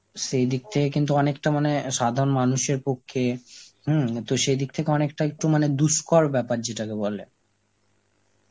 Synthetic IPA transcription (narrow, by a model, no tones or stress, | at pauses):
ʃejd̪ik̚t̪ʰekekint̪̬uɔnekʈamaneʃad̪ʱaɾonmanuʃeɾpokʰːeh̩t̪oʃejd̪ik̚t̪ʰekeɔnekʈaek̚ʈumaned̪uskɔɾbɛpaɾd͡ʑeʈakebɔle